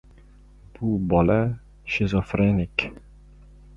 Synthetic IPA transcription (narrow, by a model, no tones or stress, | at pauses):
b̥ubɒla | ʃɪzɔfɾenɪk